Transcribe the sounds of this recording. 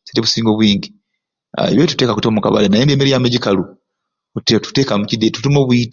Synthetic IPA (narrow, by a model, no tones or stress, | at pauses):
seteβusiːŋɡoβwiːɲɟi | a̰ḛβjetu̥te̞ːkakutoːmuka̰βa̰lanajenmbeːmeɾijameɟikalu | tetu̥te̞ːkamucidetutumo̞ːβuit